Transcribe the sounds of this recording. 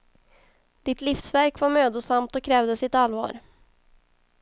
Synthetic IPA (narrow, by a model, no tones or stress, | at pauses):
d̪̥ɪt̪lifsvæɾkvaɾmøːd̪ʊsamt̪ɔkʰɾɛːvd̪əsɪt̪alvɑ̰ːɾ